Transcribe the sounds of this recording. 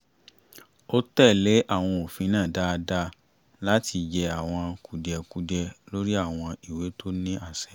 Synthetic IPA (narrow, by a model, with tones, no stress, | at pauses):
o˦tɛ˦˨le˨˦ʔa˦˨w̃ɔ̃˧o˨fĩ˧nãː˦˨da˦˧da˧˦ | la˦ti˧d͡ʒɛ˧a˨w̃ɔ̃˧ku˨dɛ˧ku˨˧dɛ˧lo˦ɾi˦a˦˨w̃ɔ̃˧i˨we˨˦tʰo˦nĩ˦a˦˨sɛ̥˨